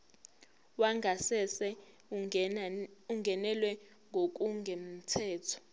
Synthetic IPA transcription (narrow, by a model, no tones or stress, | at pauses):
waŋʱasɛsɛ | uŋɡʱɛnɛlwɛ | ŋɡʱok̬ʼuŋɡʱem̩tʰɛːtʰɔ̥